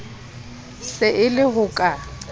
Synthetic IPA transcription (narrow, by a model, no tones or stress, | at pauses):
sɪʔɪlɪhʊkʼa